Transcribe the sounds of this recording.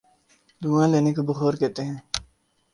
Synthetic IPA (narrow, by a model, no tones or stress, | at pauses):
d̪uːãːleːnekobəxoːɾkeːt̪eɦɛ̃ː